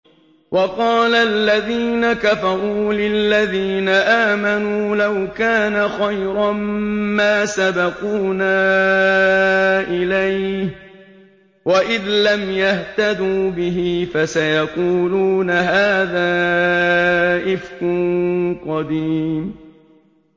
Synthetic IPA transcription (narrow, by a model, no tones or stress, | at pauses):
wɑqɑːlalːaðiːnakafɑɾˤuːlɪlːaðiːnaʔaːmanuːlawkaːnaxajɾɑmmaːsabɑquːnaː | ʔɪlajh | waʔɪðlamjaht̪ad̪uːbɪɦifasajɑquːluːnaɦaːðaː | ʔɪfkʊnqɑd̪iːm